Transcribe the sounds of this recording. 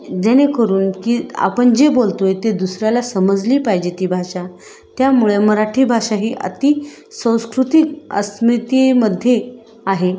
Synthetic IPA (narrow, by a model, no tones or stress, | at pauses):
d͡ʑ̪enekəɾuːnkiːa̰pəɳd͡ʑebolt̪ojt̪ed̪usɾjalasəməd͡zliːpajd͡ʑet̪iːbʱaɕa | t̪jamuɭeməɾaʈʰiːbʱaʂaɦiːʔə̰t̪i | sə̃w̃skɾut̪ikə̰smɾit̪eməd̪ʱje | aɦe